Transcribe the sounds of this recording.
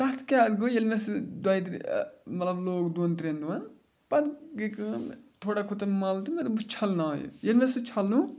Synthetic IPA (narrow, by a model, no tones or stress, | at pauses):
t̪ɐt̪ʰkʲaad̪ɡujelmesd̪wɐjt̪mɐt̪lɐbloːkd̪unt̪ɾʲend̪uʋɐn | pɐt̪ɡikɨt̪ʰoːɽakʰut̪ɐnmɐlt̪imet̪but͡ʃʰɐlnao̰jṵjelmesɨt͡ʃʰɐlːũ